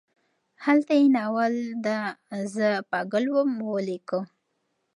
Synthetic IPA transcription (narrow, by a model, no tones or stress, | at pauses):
halt̪ajenawald̪azəpaɡəlwəmwəlekə